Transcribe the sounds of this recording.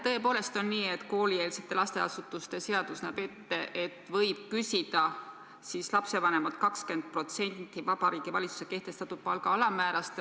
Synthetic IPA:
t̪ɤe̞po̞ːle̞st̪o̞nːiːe̞t̪ːko̞ːlieːlse̞t̪ːˑe̞lɑst̪e̞ɑ̰sut̪ːˑust̪e̞se̞ɑd̪̥usnæbe̞t̪ːeʔet̪ːˑvɤ̞jb̥̚kysid̪̥ɑ | sislɑpse̞vɑne̞mɑt̪kɑkske̞nd̪̥̚pro̞t̪se̞nʲt̪ˑːivɑbɑɾiːɡ̥ivɑlʲit̪su̥se̞̥ke̞ht̪e̞st̪ɑt̪ːˑud̪̥̚pɑlɡ̥ɑɑlɑmæːɾɑst̪

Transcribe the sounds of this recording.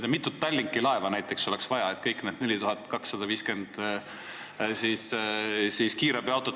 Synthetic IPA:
d̪emit̪ːˑut̪ːɑlʲːiŋkˑilɑe̞vɑnæjt̪ːˑe̞kso̞le̞ksvɑjɑet̪kɤjkːˑned̪ne̞lʲit̪uɦɑt̪ːˑkɑksːɑd̪ɑviːske̞nd̪̥ | sissiːskiːɾɑbiɑwt̪ːˑo

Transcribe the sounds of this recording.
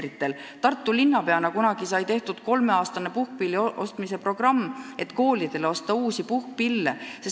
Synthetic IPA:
ɾit̪ːˑe̞lt̪ɑrt̪ːˑulinːɑpe̞ɑnɑkunɑɡ̥isɑjt̪e̞ht̪ud̪̥ko̞lme̞ɑːst̪ɑne̞puhk̚piːlːiʔo̞st̪mise̞pro̞ɡ̥rɑmːe̞t̪ːˑko̞ːlid̪̥e̞leo̞st̪ɑuːsipuhkpiilːeses

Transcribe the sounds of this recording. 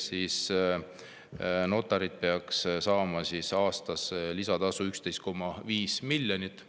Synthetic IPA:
siːs | no̞t̪ːˑɑɾid̪̥̚peɑkssɑːmɑsisɑːst̪ɑslisɑd̪ɑsuykst̪e̞jst̪ko̞mːɑviːsmilʲːjonit̪ːˑ

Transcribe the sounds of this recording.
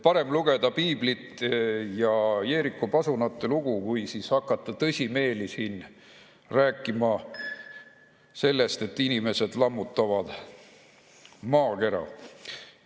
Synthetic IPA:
pɑɾe̞mluɡ̥e̞d̪̥ɑpiːblit̪ːjɑe̞ːɾikːˑopɑsunɑt̪ːeluɡ̥ukujsishɑkːˑɑt̪ˑːɑt̪ɤsʲime̞ːlisiːn | ræːkːˑimɑ | se̞lːe̞st̪e̞t̪ːˑinime̞se̞d̪̥lɑmːut̪ːˑɑvɑd̪̥ | mɑːke̞ɾɑ̰

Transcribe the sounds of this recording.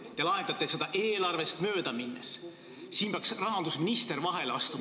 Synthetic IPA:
t̪e̞lɑɦe̥ɑt̪ːˑe̞se̞d̪ɑʔe̞ːlɑrve̞st̪mø̞ːd̪ɑminːḛs | siːnbɑksrɑɦɑnd̪usminist̪eɾvɑɦe̞lɑst̪u

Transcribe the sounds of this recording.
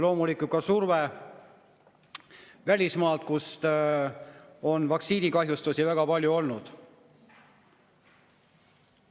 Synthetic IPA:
lo̞ːmulikˑukɑsurve | vælʲismɑːlt̪̚kus | o̞nvɑksiːnikɑɦjust̪usivæɡ̥ɑpɑlʲjuo̞lnud̪̥

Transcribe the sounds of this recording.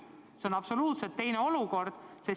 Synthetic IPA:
se̞o̞nɑpso̞luːt̪set̪ːe̞jneo̞luko̞rd̪̥se

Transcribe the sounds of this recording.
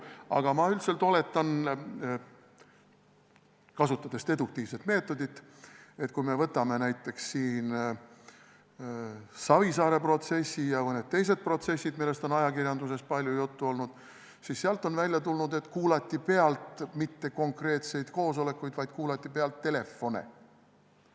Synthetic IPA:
ɑ̰ɡ̥ɑmɑylt̪se̞lt̪o̞le̞t̪ːˑɑn | kɑsut̪ːˑɑd̪e̞st̪e̞d̪uk̚t̪iːvse̞t̪me̞ːt̪ːˑo̞d̪it̪ːe̞t̪kujme̞vɤt̪ːˑɑme̞næjt̪ːˑe̞ksːiːn | sɑvisɑːɾe̞pro̞t̪se̞sʲːijɑɤned̪̥t̪ːe̞jse̞d̪̚pro̞t̪se̞sʲːid̪milːe̞st̪o̞nɑjɑkirjɑnd̪us̬e̞spɑlʲjujut̪ːuo̞lnud̪̥ | sisːeɑlt̪ˑo̞nvælʲjɑt̪ulnud̪e̞t̪ːˑkuːlɑt̪ʲːipe̞ɑlt̪mit̪ːe̞ko̞ŋkre̞ːt̪se̞jd̪̥ko̞ːso̞le̞kːˑujd̪vɑjd̪̥kuːlɑt̪ʲˑːipe̞ɑlt̪ːe̞le̞fːo̞nḛ

